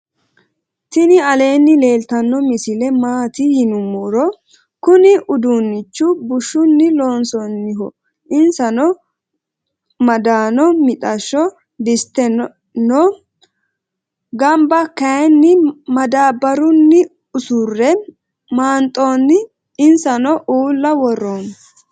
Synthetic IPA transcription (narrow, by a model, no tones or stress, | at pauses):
t̪ɪnɪɐle̞ːnːɪle̞ːlt̪ɐnːɔmɪsɪlɛmaːt̪ɪhɪnʊmːoɾɔ | kʊnɪʔʊd̪unːɪt͡ʃːʊbʊʃːʊnːɪloːnsɔnːɪɦɔ | ʔɪnsɐnɔ | mɐd̪aːnɔmɪt̪ʼɐʃːɔ | d̪ɪst̪ːɛ | nɔ | ɡɐmbɐkɐɛnːɪmɐd̪aːbɐɾʊnːɪ | ʊsʊrːɛ | maːnt̪ʼoːnːɪ | ɪnsɐnɔʔuːlːɐwɔrːoːn